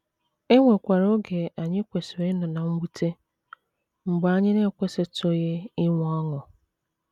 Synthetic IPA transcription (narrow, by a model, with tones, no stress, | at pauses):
e˦ŋʷe˨kʷa˨ɾo˦ɡe˨a˨ɲɪ˦kʷe˨sɾe˦nʊ˨na˨ŋ͡m̩˦ɡ͡bu˦tʰe˦ | ŋ͡m̩˨ɡ͡ba˦ɲɪ˦ne˦kʷe˦se˦to˦je˦ɪ˦ŋʷ˦ɔ˦ŋʊ˨